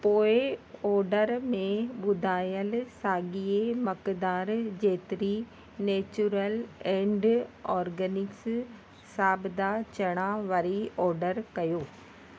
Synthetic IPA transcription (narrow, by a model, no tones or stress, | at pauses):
poːeɔːɾɖəɾmẽbʊd̪aːjəlsaːɡijemɐkd̪aːɾd͡ʒeːt̪ɾi | neːt͡ʃuɾəlẽːɳɖɔːɾɡənɪks | saːbd̪aːt͡ʃɐɽ̃aːʋɐɾiɔːɾɖəɾkɐjoː